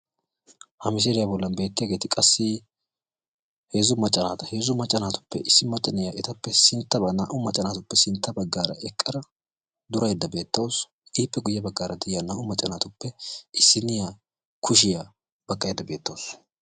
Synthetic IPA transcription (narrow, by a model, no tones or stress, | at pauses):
hɐmɪs̬eːlɪjabɔlːɐnbe̞ːt̪ːɪjaːɡe̞ːt̪ɪkʼɐsːɪ | he̞ːzʊmɐt͡ʃʼːɐnaːt̪ɐ̥he̞ːzʊmɐt͡ʃʼːɐnaːt̪ʊ̥pːɛ̰ʔɪsːɪmɐt͡ʃʼːɐnɪjaːʔɛt̪ɐpːɛsɪnt̪ːɐbɐnaːʔʊmɐt͡ʃʼɐnaːt̪ʊpːɛsɪnt̪ːɐbɐɡːaːɾɐ̰ʔɛkʼːɐɾɐ | d̪ʊɾɐjd̪ːɐbe̞ːt̪ːɐws | ɪpːɛɡʊjːɐbɐɡːaːɾɐd̪ɪjanaːʔʊmɐt͡ʃʼːɐnaːt̪ʊpːɛɪsːɪnɪja | kʰʊʃ̬ɪja | b̥ɐkʼːɐjɛd̪ɐbe̞ːt̪ːɐwos